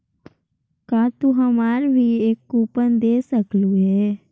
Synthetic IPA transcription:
kaːt̪uɦəmaːɾbʱieːkːuːpənd̪eːsəkluɦɛː

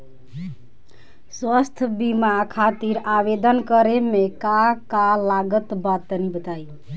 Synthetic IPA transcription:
swəst̪ʰəbimakʰat̪iɾabed̪ənkəɾemekakalaɡət̪bat̪ənibət̪aj

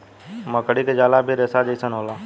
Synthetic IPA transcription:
məkəɽiked͡ʒaːlaːbʱiɾɛːsad͡ʒəisənɦoːlaː

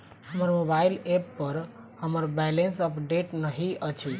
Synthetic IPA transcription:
həməɾmobailepːəɾ | həməɾbɛlensəpɖeʈnəɦiət͡ʃʰi

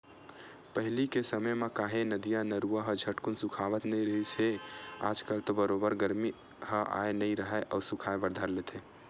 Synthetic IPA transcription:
pəɦɪlikesəməjmekaɦenəd̪ijanəɾuaɦəd͡ʒʱəʈkunsukʰaʋət̪nəiɾəɦit͡ʃʰea̰ːd͡ʒkəlt̪obəɾobəɾɡəɾmi | həʔa̰enəiɾəɦɛʔɔːɾsukʰaebəɾd̪ʱəɾlet̪ʰe

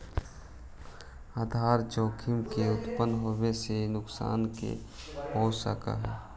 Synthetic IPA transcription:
aːd̪ʱaːɾd͡ʒoːkʰɪmkeʊt̪pənɦoːmesenʊksa̰ːnkḛ | boːsa̰ka̰ɦɛː

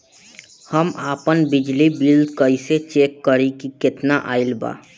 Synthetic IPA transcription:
həmaːpənbɪd͡ʒlibild̪kəiset͡ʃeːkːəɾikikɪt̪naʔaːɪlba̰ː

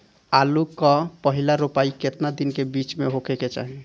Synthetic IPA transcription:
alukɔpəɦilaɾupaiket̪nad̪inkebit͡ʃmeɦokeket͡ʃa̰ɦi

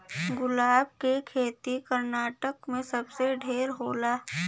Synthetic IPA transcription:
ɡʊlaːb̚kekʰeːt̪ikəɾnaːʈəkmẽsɐbseɖʱeːɾɦoːlaː

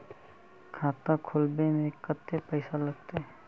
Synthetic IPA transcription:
kʰãːt̪ãkʰolbemẽkət̪ːepəɪsaləɡ̚t̪e

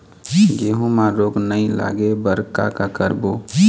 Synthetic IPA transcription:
ɡeːɦũmaɾoːɡnəila̰ːɡebəɾka̰kakəɾbo

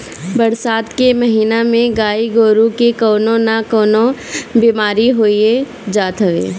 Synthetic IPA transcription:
bɐɾsaːt̪kemɐɦiːnamẽɡaːiɡoːɾũkekɔːnõnakɔːnobiːmaːɾiɦoːie | d͡ʒaːt̪ʰəʋḛː

